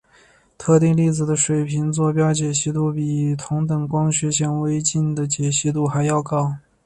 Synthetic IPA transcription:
t̪ʰɤ˥˧t̪i˥˧ŋli˥˩t͡sɹ̩˨˩d̪ə˦ʂwe˨˩ɪpʰi˧˥ŋt͡swɔ˥˩pjɑ˥ʊt͡ɕjɛ˨˩ɕi˧˥t̪u˥˩pi˨˩t̪ʰʊ˧˥ŋt̪ɤ˨˩ŋkwɑ˥ŋɕɥɛ˧˥ɕjɛ˥nwe˥ɪt͡ɕi˥˩nd̪ə˩t͡ɕjɛ˨˩ɕi˥t̪u˥˩xa˧˥ɪjɑ˥˩ʊkɑ˥ʊ

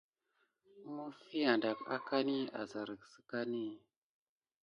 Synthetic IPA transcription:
mu˦fi˦a˨nda˨ka̰˦ka˦ni˦a̰˨za˨ɾə˨ksə̥˦ka˦ni˦

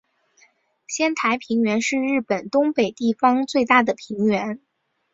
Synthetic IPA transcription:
ɕjɛ˥nt̪ʰa˧˥ɪpʰi˧˥ŋɥɛ˧˥nʂɻ̩˥˧ɻɻ̩˥˩pə˨˩nt̪ʊ˥ŋpe˨˩ɪt̪i˥˩fɑ˥ŋt͡swe˥˧ɪt̪a˥˩d̪ə˩pʰi˧˥ŋɥɛ˧˥n

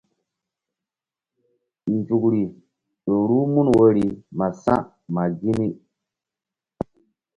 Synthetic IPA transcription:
n˨d͡ʒu˨kɾi˨ | ɗo˨ɾu˦mu˦nwo˦ɾi˨ma˨sã̰˦ | ma˨ɡi˦ni˦

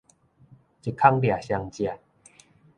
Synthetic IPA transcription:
t͡ɕi˨˩kʰa˦ŋdja˨˩ɕja˧ŋt͡ɕja˨

